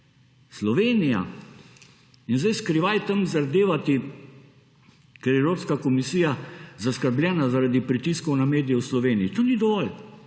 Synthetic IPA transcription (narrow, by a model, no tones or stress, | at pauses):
slɔʋeːnija̰ | inzdajskɾiʋajt̪əmzaɾd̪eːʋat̪i | kɛɾjɛɛwɾoːpskakɔmisiːjazaskəɾblʲjɛːnazaɾad̪ipɾit̪iskɔwnameːd̪ijɛwslɔʋeːniit̪oːnid̪ɔʋɔl